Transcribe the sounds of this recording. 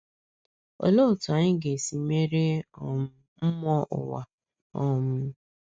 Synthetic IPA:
ɔ̰˨lo˦˨tʊ˨a˨ɲɪ˦ɡe˨si˨me˦ɾe˦˨m˦ | m̩˦mɔ˦ʔʊ̰˨wa˨ | ɔ˦mʊ˦

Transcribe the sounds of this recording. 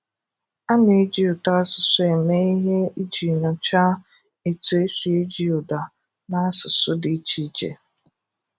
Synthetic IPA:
a˦ne˨˦d͡ʒi˦ʊ˨ta˦sʊ˨sʊ˦e˨me˦i˦ɦe˦i˦d͡ʒi˨ɾɔ˨t͡ʃa˦ | e˨tu˨e˦si˨e˦d͡ʒi˦ʊ˨da˨ | na˦sʊ˨sʊ˦dɪ˨˦t͡ʃi˦t͡ʃḛ˨

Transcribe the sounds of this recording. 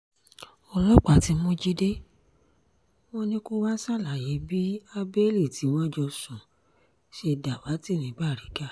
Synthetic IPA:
ɔ˧lɔ˦k͡pa˨ti˨˦mũ˦d͡ʒi˦de˦ | w̃ɔ̃˦nĩ˦ku˦wa˦sa˦˨la˨je˨˦bi˦a˦be˦li˦˨ti˨˦w̃ɔ̃˦d͡ʒɔ˧sũ˨ | ʃe˧da˨wa˨˦ti˦˨nĩ˨˦ba˦˨ɾi˨˦ɡa˦˨

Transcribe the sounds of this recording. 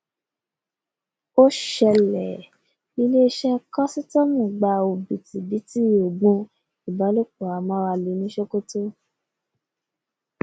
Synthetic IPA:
o˦ʃɛ˧lɛ˨ | i˦le˦ʃɛ˦kɔ˦si˦tɔ˦mũ˦˨ɡ͡ba˧o˨bi˨ti˨bi˨˦ti˦˨o˨ɡ͡bũ˧ | i˨ba˨˦lo˦k͡po˨a˨mɔ̃˨˦wa˧li˨˧˦nĩ˦ʃo˦ko˦to˦

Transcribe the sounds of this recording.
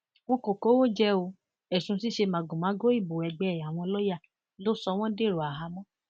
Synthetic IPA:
w̃ɔ̃˦ko˨ko˨˦wo˦d͡ʒɛ˦o˧ | ɛ˨sũ˧˦si˦ʃe˧mã˨ɡũ˨mã˨˦ɡo˦i˦˨bo˨ɛ˨ɡ͡bɛ˨˦˨a˨w̃ɔ̃˧lɔ˦ja˦˨ | lo˦sɔ˧w̃ɔ̃˦de˦˨ɾo˨a˨ɦa˨˧mɔ̃˦

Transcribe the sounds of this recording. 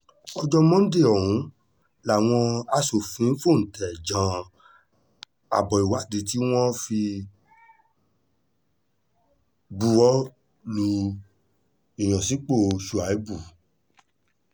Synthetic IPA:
ɔ˧d͡ʒɔ˦mɔ̃˦de˦˨ɔ˨hũ˨˦ | la˨w̃ɔ̃˧a˨so˨fĩ˨˦fo˦˨n̩˨tɛ˨d͡ʒã˨˧˦ | a̰˨bɔ˨i˨wa˨˦˨de˧t̬i˦w̃ɔ̃˦fi˧ | bu˧ɔ˦ | lu˧ | i˨j̃ã˨si˨˦k͡po˦˨ʃu˨a˨i˦bu˦˨

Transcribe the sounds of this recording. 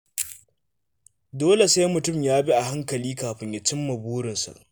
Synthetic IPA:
doː˦le˨sa˦jmʊ˨tʊ˦˨mjaː˦bi˦ʔa˨ɦa˦ŋkɐ˨liː˦kaː˨ɸɪ˦ɲja˦t͡ʃɪ˦mːɐ˨buː˦ɽɪ˨nsa̰˨ʔ

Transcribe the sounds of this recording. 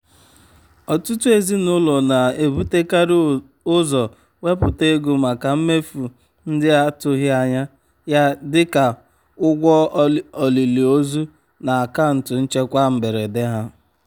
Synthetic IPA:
ɔ˨tu˦tu˦e˨zi˦nʊ˦lɔ˨na˨e˨bu˦te˦ka˦ɾ | ʊ˦zɔ˨ | we˦pʊ˨te˦ɡu˨ma˨ka˨m̩˦me˦fu˨ | n̩˦dɪ˦a˦tʊ˦ɦɪ˦a˦ɲa˦ | ja˦dɪ˦ka˨ | ʊ˦ɡʷɔ˦ɔ˨li˨li˨o˦zu˦ | na˨a˨ka˦˨n̩˨tʊ˨n̩˦t͡ʃe˦kʷa˦m̩˨be˨ɾe˨dɪ˦ɦa˦

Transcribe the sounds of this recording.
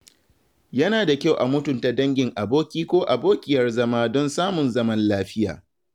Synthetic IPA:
jɐ˦naː˨da˨kʲa˦˨wʔa˨mʊ˦tʊ˨nta˦dɐ˦ŋɡʲɪ˨ŋʔa˨boː˦kʲiː˦kʷoː˦ʔa˨boː˦kʲɪ˦jɐ˦rzɐ˦maː˦dɔ˦nsaː˦mʊ˨nzɐ˦mɐ˦nlaː˦ɸɪ˦ja̰ː˨

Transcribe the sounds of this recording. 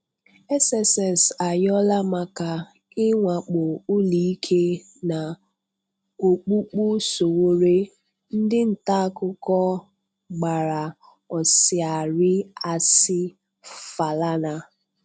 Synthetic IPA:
e˦sɛ˨sɛ˨sa˨jɔ˦la˦ma˨ka˨ | ɪ˦ŋʷa˨k͡pʊ˨ʊ˦li˨i˦kʰe˦ | na˨ | o˨k͡pu˦k͡pu˦so˨wo˦ɾe˦ | n̩˦dɪ˦n̩˨ta˦kʊ˦kɔ˦ | ɡ͡ba˨ɾa˨ | ɔ˨sɪ˨a˨ɾɪ˦a˨sɪ˦ | fa˨la˦na˦

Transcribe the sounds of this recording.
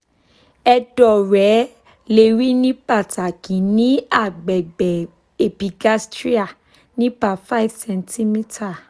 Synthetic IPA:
ɛ˧dɔ˨ɾɛ˨˦ | le˧˨ɾi˦nĩ˦ba˦˨ta˨kĩ˨nĩ˦a˦˨ɡ͡bɛ˨ɡ͡bɛ˨ | e˨pi˧ɡa˦stɾi˦a˦˨ | nĩ˦ba˨fa˦i˦˨vsɛ̃˧ntʰi˦mĩ˦ta˦˨

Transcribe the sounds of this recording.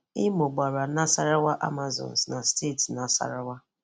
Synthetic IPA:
ɪ˦mʊ˨ɡ͡ba˨ɾa˨˦na˦sa˦ɾa˦wa˦ʔa̰˦ma˨zɔ̰˨n̩˨sna˨ste˦˨tna˨˦sa̰˨ɾa˦wa˦

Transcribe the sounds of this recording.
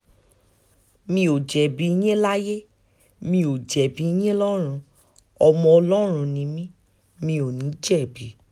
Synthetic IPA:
mĩ˧o˨d͡ʒɛ˨bi˨˦i˦j̃ẽ˦la˦je˦ | mĩ˧o˨d͡ʒɛ˨bi˨i˧˦j̃ẽ˦lɔ˦ɾ̃ũ˧ | ɔ˧mɔ̃˧ɔ˧lɔ˦ɾ̃ũ˧nĩ˨˧˦mĩ˦ | mĩ˧o˨nĩ˨˦d͡ʒɛ˦˨bi˨˦

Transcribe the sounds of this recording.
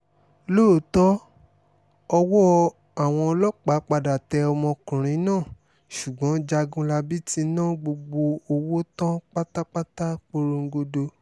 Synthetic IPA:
loː˦˨˦tɔ˦ | ɔ˧wɔ˦˧ | a˨w̃ɔ̃˧ɔ˧lɔ˦k͡pa˨˦k͡pa˧da˨tɛ˧ɔ˧mɔ̃˧kũ˨ɾ̃ĩ˨˦nãː˦˨ | ʃu˨ɡ͡bɔ̃˨˦d͡ʒa˧ɡũ˦la˧bi˦ti˧˦nã˦ɡ͡bo˧ɡ͡bo˧o˧wo˦tã˦k͡pa˦ta˦k͡pa˦ta˦k͡po˧ɾo˧ŋ̩˦ɡo˧do˧

